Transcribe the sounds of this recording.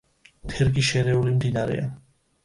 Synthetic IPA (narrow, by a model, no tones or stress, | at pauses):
t̪ʰɛɾɡiʃɛɾɛulimd̪inaɾɛ̰a̰n